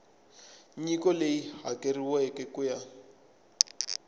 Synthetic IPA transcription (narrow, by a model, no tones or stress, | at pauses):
ɲikɔleiɦakʼeriwɛkʼɛkʊja